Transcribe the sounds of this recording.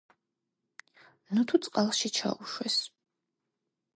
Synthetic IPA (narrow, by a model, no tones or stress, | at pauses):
nut̪ʰut̪sʼqʼalˠʃit͡ʃʰa̰uʃwɛs